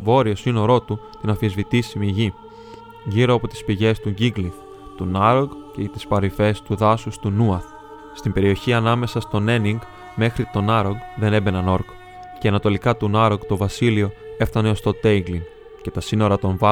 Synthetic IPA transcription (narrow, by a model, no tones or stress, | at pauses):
vo̞ɾio̞sino̞ɾo̞t̪u | t̪inɐfizvit̪isimiʝi | ʝiɾo̞ɐpo̞t̪i̥spiʝe̞st̪uɟiɡliθ | t̪unɐɾoɡcet̪i̥spɐɾife̞st̪uðɐsust̪unuɐθ | st̪imbe̞ɾio̞çiɐnɐme̞sɐst̪o̞ne̞niŋɡ | me̞xɾit̪o̞nɐɾoɡðe̞ne̞be̞nɐno̞ɾk | ce̞ɐnɐt̪o̞likɐt̪unɐɾoɡt̪o̞vɐsilio̞e̞ft̪ɐne̞o̞st̪o̞t̪e̞iɡliŋ | ce̞t̪ɐsino̞ɾɐt̪o̞ɱv